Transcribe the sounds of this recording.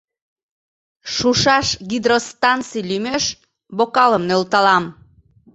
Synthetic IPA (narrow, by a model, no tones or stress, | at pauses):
ʃuʃɑʃɣid̪rost̪ɑnt͡sijlymøʃ | βokɑləmnølt̪ɑlɑm